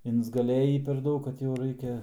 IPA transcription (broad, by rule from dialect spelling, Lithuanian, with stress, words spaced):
ɪnzɡɐˈlʲeːjiː pʲɛr ˈdɐʊk kɐt jɛʊ ˈrɐɪkʲɛ